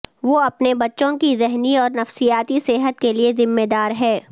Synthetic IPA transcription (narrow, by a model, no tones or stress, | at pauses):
ʋoːɐpnebɐtːʃõkizɛɦniɔːɾnɐfsijaːt̪iseɦət̪keliezɪmːed̪aːɾɦɛː